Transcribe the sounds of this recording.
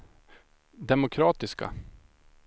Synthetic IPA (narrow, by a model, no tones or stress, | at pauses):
d̪ɛmʊkʰɾɑːt̪ɪska̰